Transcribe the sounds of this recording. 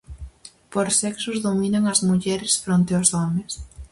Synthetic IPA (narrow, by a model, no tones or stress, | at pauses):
poɾsɛksʊzðominaŋɐzmuʎɛɾɪsfɾont̪eʊsɔmes